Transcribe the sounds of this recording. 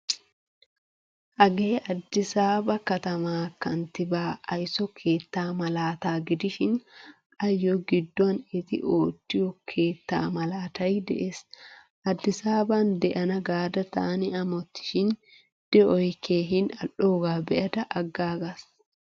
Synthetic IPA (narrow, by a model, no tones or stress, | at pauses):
ʔɐɡeːʔɐd̪ːɪsaːbɐkɐt̪ɐmaːkɐnt̪ɪbaːɐjsɔkʰe̞ːt̪ːaːmɐlaːt̪aːɡɪd̪ɪʃɪn | ɐjːoɡɪd̪ːɔɐnɪt̪ɪ̰ʔoːt̪ːɪjɔkʰe̞ːt̪ːa̰ːmɐlaːt̪ɐjd̪ɛ̰ʔeːs | ʔɐd̪ːɪsaːbaːnd̪ɛʔɐnɐɡaːd̪ɐt̪a̰ːnɪɐmɔt̪ːɪ̥ʃɪn | d̪̥ɛɔjkʰːeːɦɪnɐʔoːɡaːbɛʔɐd̪ɐʔɐɡːaːɡas